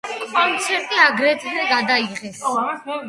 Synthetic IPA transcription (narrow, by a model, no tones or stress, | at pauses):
kʼɔmt̪sʰɛɾt̪ʼiaɡɾɛt̪ʰɛɡad̪aiʁɛs